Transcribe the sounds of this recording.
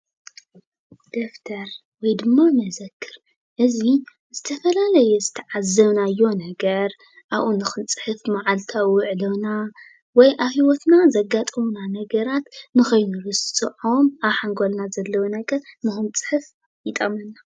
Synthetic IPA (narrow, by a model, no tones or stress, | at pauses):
d̪̥oft̪ʰɐɾ | wɔjd̪ɨmːamɐzɐkʰːɨɾ | ʔɨzi | z̥ɨt̪ʰɐfɐlalɐjɛzɨt̪ʰɐʕazːɐβnajːo̞nɐɡɐɾ | ʔaβʔunɨxɨnt͡sʼɨ̥ħɨfmaʕalt̪ʰaʊʕdɐβna | wɔjʔaβhiwɔt̪nazɐɡat̪ʼɨmunanɐɡɐɾat̪nɨxɐjnuɾɨst̪ʼɨʕomaβħaŋɡo̞lnazɐlːɐwonɐɡɐɾnɨxɨnt͡sʼɨ̥ħɨf | jɪt̪ʼɐmɐnːa